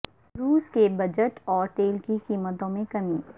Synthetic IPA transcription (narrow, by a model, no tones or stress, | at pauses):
ɾuːskebɐd͡ʒəʈɔːɾt̪eːlkikiːmət̪õmẽkɐmiː